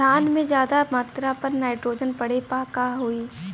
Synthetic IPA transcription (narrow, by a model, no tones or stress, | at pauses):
aːnmẽd͡ʒjaːd̪amaːt̪ɾapɐɾnaːɪʈɾoːd͡ʒənpɐɽ̤epaːkaɦoiː